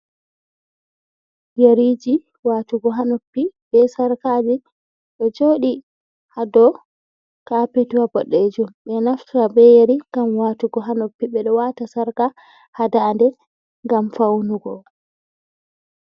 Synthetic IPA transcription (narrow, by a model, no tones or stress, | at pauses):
jeɾid͡ʒi | waːtuɡɔɦanopːiɓɛsaɾkaːd͡ʒi | ɗɔd͡ʒoːɗi | hadɔ | kapetuwabɔɗːed͡ʒumɓɛnaftɾabɛjeɾiŋɡamwatuɡɔɦanopːiɓɛɗɔwatasaɾka | hadandɛ | ŋɡamfawnuɡɔ